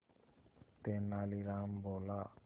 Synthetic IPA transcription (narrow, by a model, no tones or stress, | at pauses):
t̪enaliɾambola